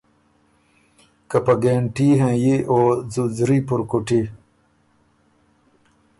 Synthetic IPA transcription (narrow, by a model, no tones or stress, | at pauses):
kɐpɐɡeːɳʈiːɦẽːjiʔoːzuzɾiːpuɾkuʈi